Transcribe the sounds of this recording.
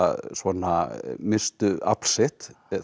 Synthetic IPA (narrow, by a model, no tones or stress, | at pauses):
svɔnamɪst̪ʏa̰pl̥sɪht̪